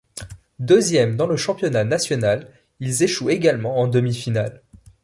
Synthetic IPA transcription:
d̪øzjɛmd̪ɑ̃ləʃɑ̃pjɔnanasjɔnal | ilzeʃueɡalmɑ̃ɑ̃d̪əmifinal

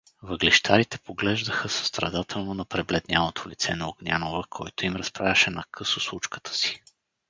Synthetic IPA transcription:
vəɡliʃt̪ʰaɾit̪ɛpoɡlɛʒd̪əxəsə̥st̪ɾɐd̪at̪ʰɛlˠnonɐpɾɛblɛd̪nʲjalot̪ʰolit̪sɛnɐoɡnʲa̰novəkʰɔjt̪oimɾɐspɾaəʃɛnɐkʰɤsˠoslˠut͡ʃkə̥t̪ʰə̥si̥

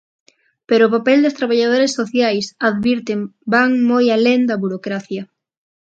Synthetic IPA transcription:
peɾoːpapɛld̪est̪ɾaβaʎað̞oɾesːoθjajsaðβiɾt̪ɪmbaŋmojaleŋd̪ɐβuɾokɾaθjɐ

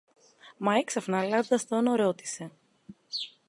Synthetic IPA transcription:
mɐeksɐfnɐlɐzod̪ɐst̪onoɾot̪i̥se̞

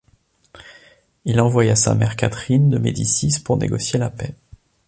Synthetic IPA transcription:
ilɑ̃vwajasa̰mɛʁkʲat̪χind̪əmed̪isispuʁnḛɡɔsjelapɛ

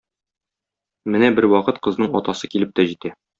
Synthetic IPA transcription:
mɘnæbɘɾwɒqɤt̪qɤ̆znɤɴɒt̪ɑsɤkilɘp̚t̪æʑit̪æ

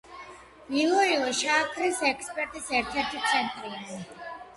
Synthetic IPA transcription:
nilˠɔilˠɔʃaːkʰɾisɛkʰspʼɛɾt̪ʼisɛɾt̪ʰɛɾt̪ʰit̪sʰɛnt̪ʼɾiai

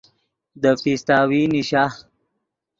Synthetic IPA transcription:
d̪əpist̪aːwiniʃa

